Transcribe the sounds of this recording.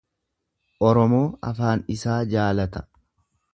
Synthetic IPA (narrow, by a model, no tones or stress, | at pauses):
ʔɔɾɔmo̞ːɐ̰faːnɪsaːd͡ʒaːlɐt̪ɐ̥